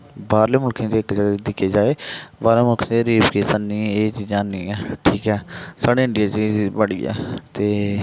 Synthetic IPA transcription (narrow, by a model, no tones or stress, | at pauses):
baːɾleːmʊlkʰẽːd̪eːɪkd͡ʒəd̪ɪkʰeːd͡ʒaːeːbaːɾleːmʊlkʰːt̪eɾiːbkeːsənːĩːeːt͡ʃiːd͡ʒãːnĩːãːʈʰiːkɛːsaːɽeːɪ̃ɳɖijaːt͡ʃibəɽijã̰ːt̪eː